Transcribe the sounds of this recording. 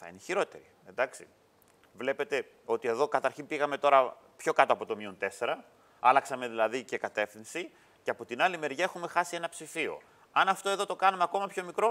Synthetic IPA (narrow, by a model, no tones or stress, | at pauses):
θɐ̰ḭneçiɾo̞t̪e̞ɾi | end̪ɐksi | vle̞pe̞t̪e̞ | o̞t̪ie̞ðo̞kɐt̪ɐɾçinpiɣɐme̞t̪o̞ɾɐ | pço̞kɐt̪o̞ɐpo̞t̪o̞mio̞nt̪e̞se̞ɾɐ | ɐlɐksɐme̞ðilɐðice̞kɐt̪e̞fθinsi | ceɐpo̞t̪inɐlime̞ɾʝɐe̞xume̞xɐsie̞nɐpsifio̰ | ɐnɐft̪o̞e̞ðo̞t̪o̞kɐnɐmeɐko̞mɐpço̞mikɾo̞